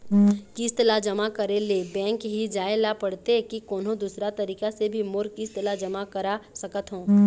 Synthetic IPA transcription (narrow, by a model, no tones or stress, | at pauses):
kist̪lad͡ʒɐmakɐɾelebɛ̃ːŋkɦid͡ʒaːelapɐɽt̪ekikɔːnɦõd̪uːsɾat̪ɐɾiːkasebʱimʊɾkist̪lad͡ʒɐmakɐɾasɐkət̪ɦõː